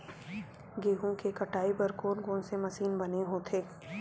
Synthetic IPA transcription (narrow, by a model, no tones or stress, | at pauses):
ɡeːɦũkekɐʈaːibɐɾkoːnɡõːnsemɐsiːnbɐneɦoːt̪ʰeː